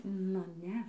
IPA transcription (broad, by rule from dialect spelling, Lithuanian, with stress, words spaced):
ˈnʊ ˈnʲɛ